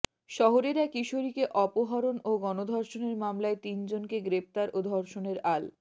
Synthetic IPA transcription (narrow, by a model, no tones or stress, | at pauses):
ʃɔɦoɾeɾakiʃoɾikeʔɔpoɦaɾonoɡɔnod̪ʱɔɾʃoneɾmamlaet̪ind͡ʑonkeɡɾep̚t̪aɾʔod̪ʱɔɾʃoneɾal